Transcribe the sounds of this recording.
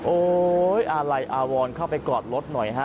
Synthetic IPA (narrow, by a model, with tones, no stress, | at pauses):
ʔoː˧˩jʔa˧ɾa˧jʔaː˧wɔː˧nkʰa˥˩wpa˧jkɔː˨˩t̪̚lo˦˥t̪̚nɔ˨˩jɦa˦˥